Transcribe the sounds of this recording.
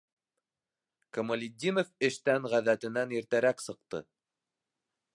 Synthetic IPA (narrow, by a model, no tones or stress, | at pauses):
kŏmŏlʲɪd̪ʲːinofɘ̆ʃt̪æŋʁæðæt̪ɘ̆næniɾt̪æɾæksɤ̆q̚t̪ɤ̰